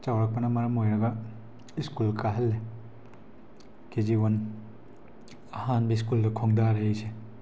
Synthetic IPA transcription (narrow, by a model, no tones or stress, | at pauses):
t͡ʃawɾɐk̚pɐnɐmɐɾɐmojɾɐɡɐ | iskulkaɦɐlːe | ked͡ʒiwon | ɐhanbɐis̬kuldɐkʰoŋdaɾeejse